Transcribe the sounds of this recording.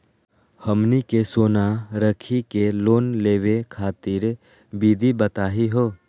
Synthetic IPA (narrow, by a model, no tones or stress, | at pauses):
hɐmnikesoːnaɾəkʰikeloːnleːwekʰaːt̪iɾ | biːd̪ʱibɐt̪aːɦiɦoː